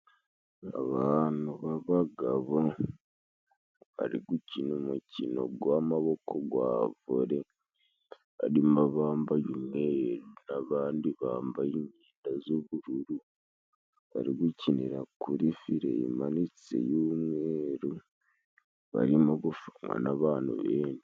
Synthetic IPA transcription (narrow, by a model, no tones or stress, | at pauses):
a̰βaːnuβaβaɡaβo | βa̰ɾḭɡucinumucino̞̰ɡwamaβo̞kʰo̞ɡwa̰ːvuɾe̞ | βaɾimaβaːmbajumŋeɾunaβaːndiβaːmbajiɲiːndazoβuɾuɾu | βa̰ɾiɡuciniɾakuɾifiɾḛḭmanit͡sḛjuːmweːɾu | βa̰ɾimoɡufumwa̰naβaːnṵβeːndi